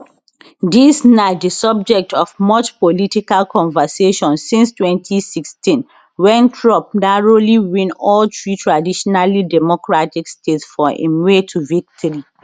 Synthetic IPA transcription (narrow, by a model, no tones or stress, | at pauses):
disnadəsɔb̚d͡ʒɛk̚tɔvmɔt͡ʃpolitikalkʰɔ̃nvəseʃɔ̃nsĩnstwɛ̃ntʰisikstĩn | wɛ̃nkʰɹɔ̃p̚naɹoliwĩnɔltʰɹitʰɹadiʃɔnalidɛmɔkɹatikstetsfɔḭ̃nwetʰuvik̚tʰɔɹi